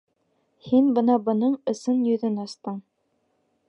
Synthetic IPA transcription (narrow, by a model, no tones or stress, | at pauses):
hinbɤ̆nɑbɤ̆nɤɴɤ̆sɤnjɵ̆ðɵnɑst̪ɤɴ